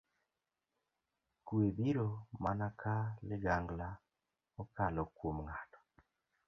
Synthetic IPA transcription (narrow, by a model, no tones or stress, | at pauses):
kuebiɾomanakʰalɪɡaŋɡla | okalɔkwomŋatɔ̥